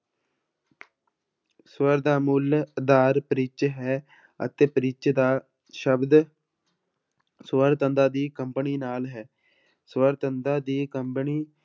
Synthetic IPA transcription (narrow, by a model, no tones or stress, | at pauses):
swəɾd̪aːmʊld̪aːɾpəɾɪt͡ʃɦɛː | ə̰t̪eːpəɾɪt͡ʃd̪aː | ʃəbd̪ | swəɾt̪ənd̪aːd̪iːkəmpəniːnaːlɦɛː | swəɾt̪ənd̪aːd̪iːkəmpniː